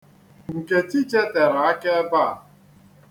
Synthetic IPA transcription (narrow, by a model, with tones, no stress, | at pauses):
ŋ̩˨ke˨ti˦t͡ʃe˦te˨ɾa˨a˦ke˦ba˦˨